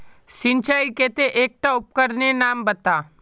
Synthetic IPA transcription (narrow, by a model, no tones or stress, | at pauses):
sɪ̃nt͡ʃaːikeːt̪eʔeːk̚ʈaʊp̚kəɾnenaːmbɐt̪aː